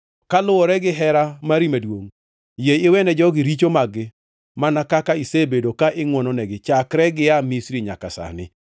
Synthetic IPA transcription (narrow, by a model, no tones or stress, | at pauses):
kalʊɔɾɛɡɪɦɛɾamaɾimadwoŋ | jejɪwɛnɛd͡ʒɔɡɪɾit͡ʃomaɡɪ | manakakaisebedokaʔɪŋwɔnɔnɛɡɪt͡ʃakɾɛɡɪamisɾiɲa̰kasa̰nɪ̰